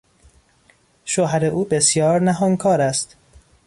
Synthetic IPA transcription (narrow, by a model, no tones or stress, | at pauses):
ʃoɦæɾeʔuːbesjɒːɾnæɦoŋkʰɒːɾæst̪